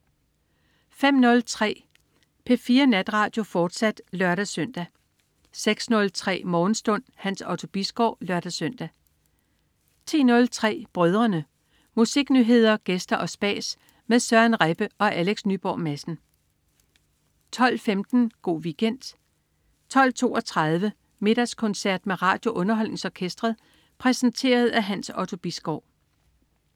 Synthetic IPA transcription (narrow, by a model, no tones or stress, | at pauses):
fem̰nɔ̽lt͡sʰʁɛ̰ː | pʰefiːɐnæd̥ʁɑ̈ːd̥jo̝fɒːd̥sæd̥lɶɐɾ̥æsøn̰d̥æ | seɡ̥snɔ̽lt͡sʰʁɛ̰ːmɒːn̩sd̥ɔ̽n̰hænsɒʊt͡sʰo̝b̥isɡ̥ɒʊ̰lɶɐd̥æsøn̰d̥æ | t͡sʰi̝̰ːnɔ̽lt͡sʰʁɛ̰ːb̥ʁœð̞ˠʁɐnə | musiɡ̥nyɦe̝ð̞̰ˠɐɡ̥esd̥ɐʔɒ̽sb̥ɛ̰ːs | meðˠsɶɐænʁeb̥əʔɒ̽ʔæleɡ̥snyb̥ɒ̰ːmæsn̩ | t͡sʰɒ̽l̰femd̥n̩ɡ̥o̝̰ːʋiɡ̥en̰d̥ | t͡sʰɒ̽l̰t͡sʰo̝̰ːɒ̽t͡sʰʁɑð̞ˠʋə | me̝ɾ̥ɐskʰɔ̽nsæɐd̥meʁɑ̈ːd̥jo̝ʔɔ̽nɐɦɒ̽l̰ne̝ŋsɒːkʰesd̥ʁɐð̩ˠ | pʰʁɛsn̩t͡sʰe̝̰ːɐð̞ˠæɦænsɒ̽ʊt͡sʰo̝b̥isɡ̥ɒʊ̰